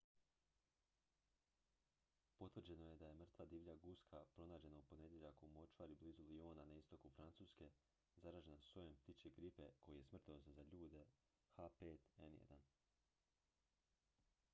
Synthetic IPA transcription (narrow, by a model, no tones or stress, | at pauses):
po̞t̪ʋr̩d͡ʑe̞no̞je̞d̪aje̞mr̩t̪ʋad̪iːʋʎaɡuskʰapɾo̞naːd͡ʑe̞naupo̞ne̞d̪ʲjeʎakomo̞t͡ʃaɾibliːzulio̞ːnanaist̪o̞kufɾant̪suːske̞ | zaɾaːʒe̞nasojempt̪it͡ʃeɡɾipe̞kʰo̞jije̞smr̩t̪osazaʎuːd̪e̞ | xapeːt̪e̞̰njḛd̪a̰n